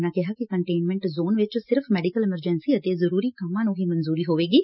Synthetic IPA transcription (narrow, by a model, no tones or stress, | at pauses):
nãkɛɦakikɐ̃ɳʈeːnmɛ̃ɳʈzoːnʋɪt͡ʃsɪɾfʰmɛːɖikəlɛməɾd͡ʒɛnsiɐt̪ezɐɾuːɾikɐmãːnũɦimɐnzuːɾiɦoːʋeːɡiː